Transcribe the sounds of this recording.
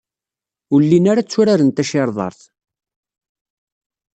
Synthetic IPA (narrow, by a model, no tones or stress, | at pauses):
ʊlːinaɾat͡sːʊɾaɾənt̪æʃɪɾˤðˤɑ̰ɾˤθ